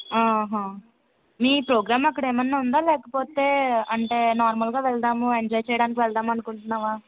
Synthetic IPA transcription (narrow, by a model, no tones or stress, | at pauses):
aːɦãː | miːpɾoːɡɾaːmɐkːɐɽeːmɐnːeːund̪aːlɛːkɐpoːt̪e̞ːɐɳʈe̞ːnaːɾmɐlɡaːʋɛɭɐʈ̪aːmueɲd͡ʒɔːjt͡ʃɛjɐɽaːnik̬iʋɛɭɖ̪aːmɐnukuɳʈunːaːʋaː